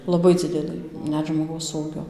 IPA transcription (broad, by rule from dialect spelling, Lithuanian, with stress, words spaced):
lˠɐˈbɐɪ ˈd͡zʲɪdʲɛlˠɨ ˈnʲɛt ʒmoːˈɡɐʊs ˈuːɡʲoː